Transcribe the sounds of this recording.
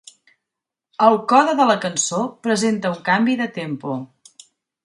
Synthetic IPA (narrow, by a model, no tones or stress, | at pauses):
əlˠkɔðəðələkənsopɾəzent̪əuŋkambiðət̪empu